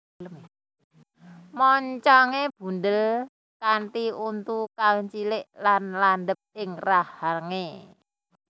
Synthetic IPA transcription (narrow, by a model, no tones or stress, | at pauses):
ləm | mɔɲt͡ʃɔŋeb̥ṳnd̪əl | kant̪iunt̪ukalɲt͡ʃilɪʔlanland̪əp̚ɪŋrahalŋe